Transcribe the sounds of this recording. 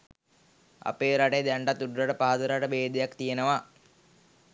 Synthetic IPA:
a̰peːɾaʈejd̪æɳɖat̪ːuɖuɾaʈəpaɦad̪uɾaʈəbeːd̪ejakt̪ijenəʋa

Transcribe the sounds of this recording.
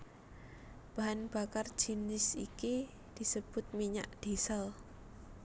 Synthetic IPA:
b̥aɦanb̥akar̥d͡ʒ̥inɪsḭki | d̪̥i̤səb̥ʊt̪̚miɲa̰ʔd̥isəl

